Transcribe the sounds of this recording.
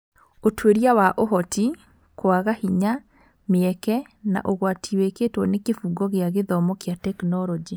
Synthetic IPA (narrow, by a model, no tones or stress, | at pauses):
otweɾijawaʔoɦɔti | kwaɣahiɲa | meɛkɛ | na̰ʔoɣwatʰiweketwɔnekefuɡɔɣeaɣeðɔmɔkeatɛknɔɾɔd͡ʒi